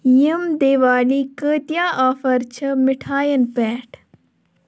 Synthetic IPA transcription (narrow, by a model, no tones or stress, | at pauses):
jəmd̪eːʋaːliːkəːt̪jaːʔaːfɐɾt͡ʃʰɐmɪʈʰaːjɐnpɛːʈʰ